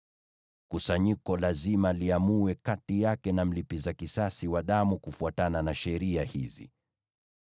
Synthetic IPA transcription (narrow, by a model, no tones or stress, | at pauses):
kusaɲikɔlazimaliamuwɛkatijakɛnam̩lipizakisasiwaɗamukufuatananaʃɛɾiahizḭ